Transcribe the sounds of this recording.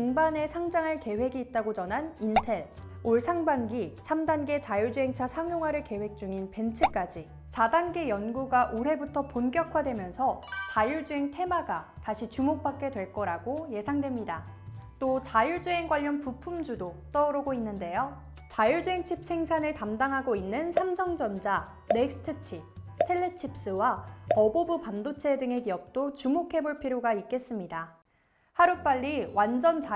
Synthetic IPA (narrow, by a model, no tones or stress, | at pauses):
kuŋbane̞sʰaŋd͡ʑaŋɦaɭke̞we̞ɡiːt̚t͈aɡot͡ɕʌnɦanintʰe̞ɭoɭsʰaŋbanɡisʰamdanɡe̞t͡ɕajuɭd͡ʑuɦe̞ŋt͡ɕʰasʰaŋjoŋɦwaɾɯɭke̞we̞k̚t͡ɕ͈uŋinpe̞nt͡ɕʰɯk͈ad͡ʑi | sʰadanɡe̞jʌnɡuɡaʔoɾɦe̞butʰʌponɡjʌkʰwadwe̞mjʌnsʰʌt͡ɕajuɭd͡ʑuɦe̞ŋtʰe̞maɡataɕʰit͡ɕumok̚p͈ak̚k͈e̞dwe̞ɭk͈ʌɾaɡoje̞sʰaŋdwemɲida | t͈ot͡ɕajuɭd͡ʑue̞ŋɡwaʎːʌnpupʰumd͡ʑudot͈ʌɾɯɡoinːɯnde̞jo | t͡ɕajuɭd͡ʑuɦe̞ŋt͡ɕʰip̚s͈ʰe̞ŋsʰanɯɭtamdaŋɦaɡoinːɯnsʰamsʰʌŋd͡ʑʌnd͡ʑa | neksʰɯ̥tʰɯt͡ɕʰitʰe̞ɭːet͡ɕʰip̚s͈ɯwaʌbobupamdot͡ɕʰe̞dɯŋe̞kijʌk̚t͈ot͡ɕumokʰe̞boɭpʰiɾjoɡaik͈e̞s͈ɯmɲida | haɾup͈aʎːiwand͡ʑʌnt͡ɕ